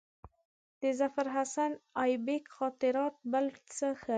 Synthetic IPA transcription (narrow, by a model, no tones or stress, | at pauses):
d̪̥əzafaɾɦasanɑjbekxɑt̪ɪɾɑt̪̚bəlt͡səxə